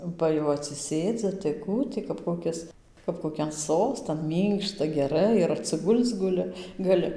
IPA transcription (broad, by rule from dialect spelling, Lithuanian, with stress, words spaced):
ˈbɐ jɛʊ ɐtʲsʲɪˈsʲeːd͡zʲɪ tɐɪ ˈkuː tʲɪ kɐp koːˈkʲɪs kɐp koːˈkʲɛn ˈsoːstɐn ˈmʲiːŋkʃtɐ ɡʲɛˈrɐɪ ɪr ɐtʲsʲɪˈɡʊlʲt͡s ɡʊˈlʲɪ ɡɐˈlʲɪ